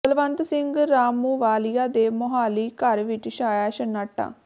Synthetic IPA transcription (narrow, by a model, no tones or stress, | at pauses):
əlʋənt̪sɪŋɡɾaːmuːʋaːlijaːd̪eːmʊɦaːliːkəɾʋɪt͡ʃʃaːjaːʃənːaːʈːa̰ː